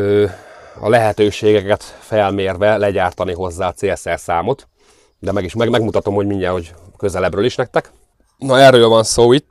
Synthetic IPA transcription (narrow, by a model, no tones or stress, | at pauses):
øːɒ̰lɛɦɛt̪øːʃeːɡɛkɛt̪fɛlmeːrvɛlɛɟaːrt̪ɒniɦo̞zːaːɒt̪seːɛsɛrsaːmo̞t̪ | d̪ɛmɛɡiʃɛmɛɡmut̪ɒt̪o̞mho̞ɟmiɲɟɛnho̞ɟkø̞zɛlɛbrøːliʃnɛk̚t̪ɛk | nɒɛrːøːlvɒnsoːit̪ː